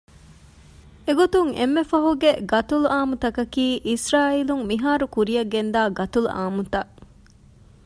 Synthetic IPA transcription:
eɡot̪uŋḛmːefɐɦuɡeɡɐt̪uluʔaːmut̪ɐkɐkiːʔisɾaːiluŋmiɦaːɾukuɾijɐɡːend̪aːɡɐt̪uluʔa̰ːmut̪ɐʔ

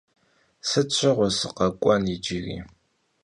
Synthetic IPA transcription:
sɨt͡ɕʷʰɐʁʷɔsɨqɐkʷʼɔnid͡ʒiɣḭː

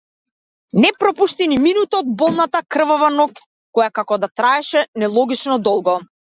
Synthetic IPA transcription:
nɛpɾɔpuʃt̪iniminut̪ɔɔd̪̚bɔlˠnat̪akr̩vɔvanɔkː | ɔjakakɔd̪at̪ɾaɛʃɛnɛlˠɔɡit͡ʃnɔd̪ɔlˠɡɔ

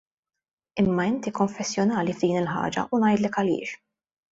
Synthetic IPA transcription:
ɪmːɐɪnt̪ikɔɱfɛsːjɔnɐːlivd̪iːnɪlħɐ̰ːd͡ʒɐ̰ʔunɐjd̪lɛkɐlɪ̰ːʃ

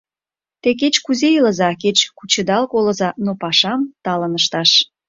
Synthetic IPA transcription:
t̪ek̬et͡ɕkuzejilə̆zɑket͡ɕkut͡ɕə̆d̪ɑlkolə̆zɑnopɑʃɑmt̪ɑlənəʃt̪ɑʃ

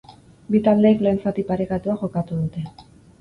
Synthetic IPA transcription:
bit̪ald̪e̞ːkle̞ːnsat̪ipaɾe̞kat̪uaʝo̞kat̪uðut̪e̞

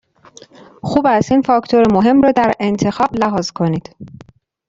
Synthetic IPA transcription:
xuːbæst̪infɒkt̪ʰoɾemoɦe̞mɾɒːd̪æɾe̞nt̪ʰe̞xɒːblæɦɒːzkʰo̞niːd̪̥

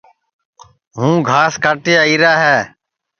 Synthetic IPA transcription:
ɦũːɡʱaːskaːʈɪjaːiːɾaːɦɛː

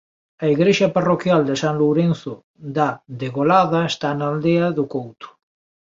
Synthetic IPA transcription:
aiɣɾeʃaparokjald̪esanluwɾenθo | d̪ad̪eɣolaðaest̪anald̪eaðukowt̪u̥

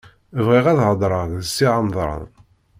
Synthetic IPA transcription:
vʁiʁæðʕəd̪ˤɾˤəʁðəsːiʕɑmðˤɾˤɑ̰n

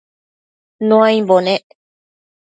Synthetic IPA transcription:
nõãĩmbonẽ

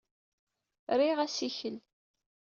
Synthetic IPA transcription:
ɾiʁæsiçəl

